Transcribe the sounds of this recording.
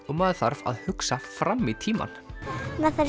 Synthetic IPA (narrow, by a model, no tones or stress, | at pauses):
maðθaɾva̰ðhʏksafɾamːit̪ʰiːma̰nmaθaɾ